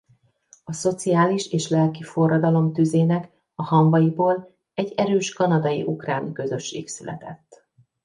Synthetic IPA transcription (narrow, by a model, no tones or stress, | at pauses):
ɒso̞t̪sijaːliʃeːʃlɛlkifo̞rːɒd̪ɒlo̞mt̪yzeːnɛk | ɒhɒɱvɒjiboːl | ɛɟːɛɾøːʃkɒnɒd̪ɒjḭʔukraːnkøzø̞ʃːeːksylɛ̰t̪ɛt̪ː